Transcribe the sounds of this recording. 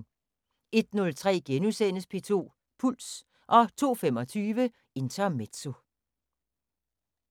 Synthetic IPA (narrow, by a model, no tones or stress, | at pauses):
e̝d̥nɔ̽lt͡sʰʁɛ̰ːɡ̥enusen̰əspʰe̝̰ːt͡sʰo̝̰ː | pʰul̰s | ʔɒ̽t͡sʰo̝̰ːfem̰ɒ̽t͡sʰyːʋə | e̝nt͡sʰɐmed̥so̝